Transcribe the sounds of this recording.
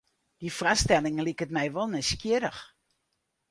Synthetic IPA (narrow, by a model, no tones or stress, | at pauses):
d̥ifrastɛlɪŋlikətmɛjʋɔlˠnɛskjɪəɾəx